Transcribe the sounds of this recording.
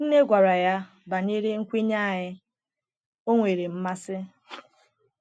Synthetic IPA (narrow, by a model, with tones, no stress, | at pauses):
n̩˦ne˦ɡʷa˨ɾa˨ja˦ | ba˨ɲe˦ɾe˦ŋ̩˦kʷi˦ɲa˦˨ɦɪ˦ | o˦ŋʷe˨ɾe˨m̩˦ma˦sɪ˦